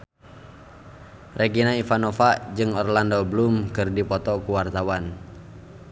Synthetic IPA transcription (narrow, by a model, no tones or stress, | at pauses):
reɡinaifanɔfad͡ʒɨŋɔrlandɔblumkɨrdipɔt̪ɔkuwart̪awan